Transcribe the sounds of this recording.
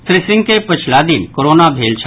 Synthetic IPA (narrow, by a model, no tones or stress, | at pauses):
t̪ɾɪsɪ̃ŋɡkepət͡ʃʰlad̪imkoɾoːnabʱeːlt͡ʃʰə